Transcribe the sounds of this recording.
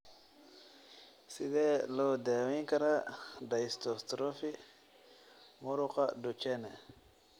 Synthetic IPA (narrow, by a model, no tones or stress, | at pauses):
sidelodewikaɾadaistost̪ɾofi | muɾukadot͡ʃene